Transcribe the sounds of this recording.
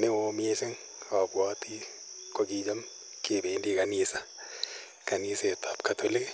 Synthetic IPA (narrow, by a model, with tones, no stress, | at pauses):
me˦wo˨mi˦e˦sɪ˦ŋ | ɔ˨bwɔ˦ti˦ | ka˨ɡi˨d͡ʒa˦m | ke˨be˨˦ndi˦ka˨nɪ˨sa˦ | ka˨ni˦se˨ta˨˦pkatʰo˦le˦k